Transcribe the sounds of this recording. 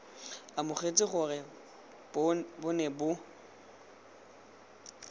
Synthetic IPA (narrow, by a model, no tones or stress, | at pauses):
amʊχet͡sʼɪχʊrɪ | bʊnɛbʊ